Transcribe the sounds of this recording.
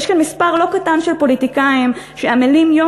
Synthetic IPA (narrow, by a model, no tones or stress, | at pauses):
jʃkanmispaʁlo̞katanʃelpo̞litikaim | ʃeamelimjo